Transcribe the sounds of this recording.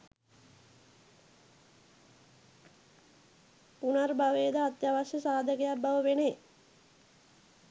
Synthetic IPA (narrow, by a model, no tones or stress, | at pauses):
punarbaʋeːd̪aːt̪jaʋaɕəsaːd̪ʱəkəjabaʋəʋene